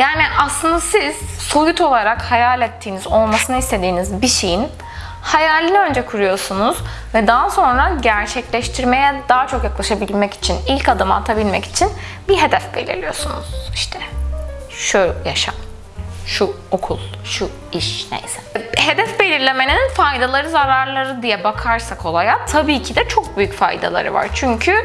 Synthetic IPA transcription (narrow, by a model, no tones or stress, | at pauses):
jaːniʔaslˠɯnd̪asiz̥sojut̪ʰo̞lˠaɾakhajaːlʲɛt̪ʰːiːnizo̞lˠmasɯnaist̪ʰe̞d̪iːnizbiʃejin | hajaːlʲinø̞nd͡ʒɛkʰuɾujo̞sunuz̥ | vɛd̪aɦso̞nɾaɟæɾt͡ʃʰɛclʲɛʃt̪ʰiɾme̞jɛd̪aːt͡ʃʰo̞kjaklˠaʃabilʲmɛci̥t͡ʃʰinilʲcad̪amaaːt̪ʰabilʲmɛci̥t͡ʃʰin | biɦe̞d̪ɛfbe̞lʲḭɾlʲijo̞sunṵz̥iʃt̪ʰɛ | ʃujaʃa̰m | ʃu | okʰulˠʃu | iʃnḛjsɛ̥ɦe̞d̪ɛfbe̞lʲiɾlʲe̞me̞nininfajd̪alˠaɾɯzaɾaɾlˠaɾɯd̪ijɛbakʰaɾsakʰo̞lˠajat̪ʰabiːcʰid̪ɛt͡ʃʰo̞k̚byjycfa̰jd̪a̰lˠa̰ɾɯ̰va̰ɾt͡ʃʰyɲcʰy